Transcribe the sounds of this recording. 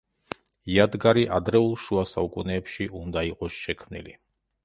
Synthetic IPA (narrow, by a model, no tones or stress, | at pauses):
jad̪ɡaɾiʔad̪ɾɛulˠʃuasaukʼunɛːpʃiʔund̪aiqʼɔsʃɛkʰmnḭli